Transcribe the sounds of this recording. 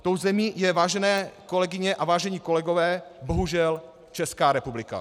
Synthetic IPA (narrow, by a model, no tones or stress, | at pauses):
t̪owzɛmiːjɛvaːʒɛnɛːko̞lɛɡɪɲɛʔavaːʒɛɲiko̞lɛɡovɛːboɦuʒɛl | t͡ʃɛskaːɾɛpublɪka̰